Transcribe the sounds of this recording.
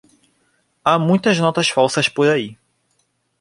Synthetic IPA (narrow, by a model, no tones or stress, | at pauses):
amũj̃t̪ɐznɔt̪ɐsfawsɐspoɾai